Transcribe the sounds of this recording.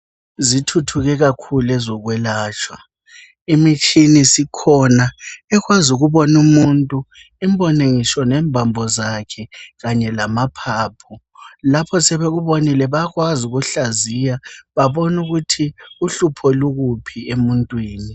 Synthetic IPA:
zitʰutʰuɣɛɣakʰulɛzɔɣwɛlaːt͡ʃʰʼwa | imit͡ʃʼinisikʰɔnaɛɣwazuɣuβɔnumuntʼu | imbʱɔneŋisɔnɛmbʱambʱɔzakʰɛɣaɲɛlamapʰaːpʰɔ | lapʰɔsɛβeɣuβonilɛβaɣwazuɣuɬazijaβaβɔnuɣutʰiuɬupʰɔluɣupʰiemuntʼwiːni

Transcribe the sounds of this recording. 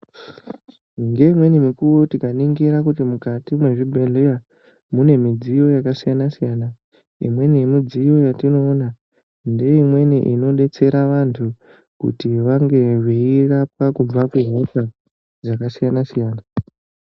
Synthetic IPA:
ŋɡe̞imwe̞nimikuʋotikaniŋɡiɾakutimukatimwe̞ʐibʱeɮeja | mune̞mid͡zijo̞jakasijanasijaːna | ḭmwe̞nemid͡zijo̞jatino̞ːna | nde̞imwe̞niʔino̞ɗe̞t͡se̞ɾaʋantʰu | kṵtiʋaŋɡe̞ʐiirap̚akub͡vakuɦota | zakasijanasijaːna

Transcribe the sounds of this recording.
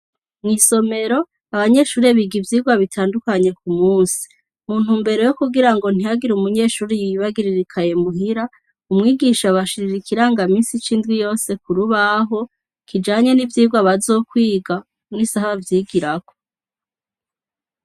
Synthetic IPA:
mŋiːso̞me̞ɾo̞ | aβaɲe̞ʃuːɾeβiɡivjiːɡwaβitʰaːndukaɲe̞kumuːnsi̥ | muːn̥umbe̞ɾo̞jokuɡiɾaŋɡo̞n̥iaɡiɾumuɲe̞ːʃuːɾijiiβaɡiɾiɾikʰaje̞muɦiɾa | umŋiːɡiʃaβaʃiɾiɾikʰiɾaŋɡamiːnsit͡ʃiːndɡwijo̞ːse̞kuɾuβaɦo̞ | kʰid͡ʒaːɲe̞nivjiːɡwaβazo̞ːkwiːɡa | ŋnisahavjiːɡiɾako̥

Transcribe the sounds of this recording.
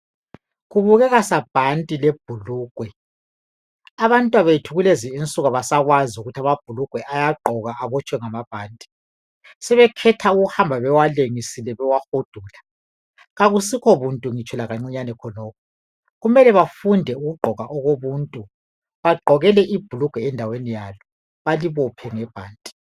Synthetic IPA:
ɣuβuɣɛɣasab̥ʱantʼileb̥ʱuluːɡ̥ʱwɛ | aβantʼwaβeitʰuɣuleziint͡sʼuɣaβasaɣwaziuɣutʰamab̥ʱuluɡ̥ʱwɛʔajaɡ͡ǃʱɔɣaʔːβɔt͡ʃʼwɛŋamab̥ʱaːntʼi̥ | sɛβɛkʰɛtʰauɣuhambʱaβɛwaleŋisilɛβɛwahod̥ʱuːla | ɣaɣusikʰɔβuntʼuŋit͡ʃʼɛlaɣaŋ͡ǀiɲanɛkʰɔnɔːkʰɔ | ɣumɛlɛβafundʱɛuɣuɡ͡ǃʱɔɣaʔɔɣoβuntʼu | βaɡ͡ǃʱɔɣɛlɛʔib̥ʱuluɡ̥ʱwɛːndʱawenijalɔ | βaliβɔpʰɛŋɛb̥ʱaːndʼi̥

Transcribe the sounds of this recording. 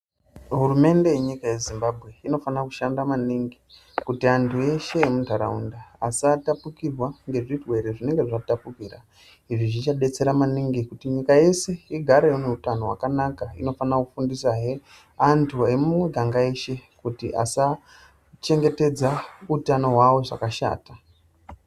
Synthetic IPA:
ɦurume̞nde̞jeɲikaje̞zimbabʱɣe̞ino̞fanakuʃandamaniŋɡi | kutiantʰue̞ʃe̞ːmuntaɾa̰ṵnda̰ːsatapukirwaŋɡe̞ʐirwe̞ɾeʐine̞ŋɡe̞ʐatapukiːra | iʐiʐit͡ʃaɗe̞t͡se̞ɾamaniŋɡikutiɲikaje̞se̞iɡʱaɾejoneutano̞ɦwa̰kanakaḭno̞fanakufundisaɦe | antʰue̞mumwe̞ɡʱaŋɡaeʃe̞kutiʔa̰sa | t͡ʃe̞ŋɡe̞te̞d͡zautano̞ɦwawo̞ʐa̰kaʃa̰ːta

